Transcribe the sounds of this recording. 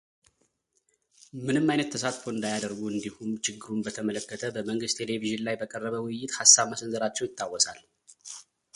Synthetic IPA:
mɨnɨmːajnət̪ʰːəsat̪fo̞ɨnd̪ajad̪əɾɡuɨnd̪ihumt͡ʃɪɡːɨɾumbət̪ʰəmələkːət̪ʰəbəməŋɡɨst̪ʰe̞le̞viʒɨnlajbəkʼərːəβəwʊjːɪt̪hasːaβməsənzɨɾat͡ʃːɛwjɪt̪ʰːawɔsal

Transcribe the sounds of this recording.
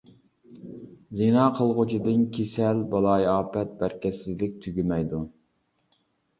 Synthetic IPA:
zinɑːqʰəlˠʁʊt͡ʃʰid̪ɨnkʲʰesɛlbɑlˠɑjɑːpɛt̪̚bæɾkʲɛsɪzlɪk̚ʲt̪ʰyɡʲimɛjd̪u

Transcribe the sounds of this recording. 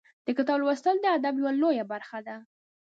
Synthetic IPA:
d̪̥əkɪt̪ɑblwast̪əld̪əad̪abjwalojabaɾxad̪a

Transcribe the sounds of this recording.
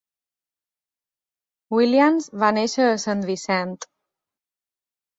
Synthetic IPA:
wilianzβaneʃəːsənβisɛnt̪

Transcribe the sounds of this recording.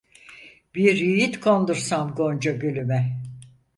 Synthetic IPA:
biɾjijit̪kʰond̪uɾsamɡond͡ʒaɟølʲymɛ

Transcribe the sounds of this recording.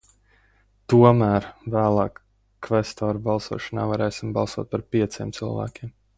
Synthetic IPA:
t̪uɔmæːɾvæːlˠɑ̰ːkː | vɛst̪ɔːɾbɑlˠsṵɔʃɔna̰ːvaɾɛːsimbɑlˠsuɔːt̪̚paɾpiɛt̪siɛmt̪sɨlˠvæ̰ːkʲim

